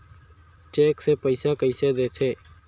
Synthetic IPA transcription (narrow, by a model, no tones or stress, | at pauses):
t͡ʃeːkseːpəisaːkəiseːd̪eːt̪ʰeː